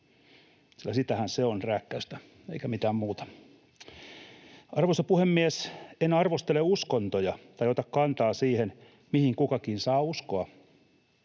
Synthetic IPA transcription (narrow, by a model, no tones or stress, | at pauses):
silːæsit̪æhænseonrækːæyst̪æ | ḛikæmit̪æːmmuːt̪ɑ̥ | ɑrʋosɑpuhemːiæsenɑrʋost̪eleuskont̪ojɑt̪ɑjot̪ɑkkɑnt̪ɑːsiːhen | mihiŋkukɑkiːnsɑːuskoɑ